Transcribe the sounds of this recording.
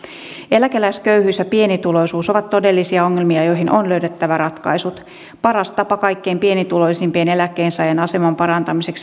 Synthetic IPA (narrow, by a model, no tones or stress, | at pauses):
e̞lækelæiskøyhyːsjæpie̞nit̪ulo̞jsuːso̞ʋɑt̪tːo̞delːisiɑo̞ŋːelmiɑjo̞jɦinʔonløyɥdet̪ːæʋæɾɑt̪kɑ̰jsut̪ | pɑɾɑst̪ɑpɑkɑjkːe̞jmpie̞nit̪ulo̞isimpiene̞lækːeːnsɑjɑnɑse̞mɑmpɑɾɑnt̪ɑmise̞ks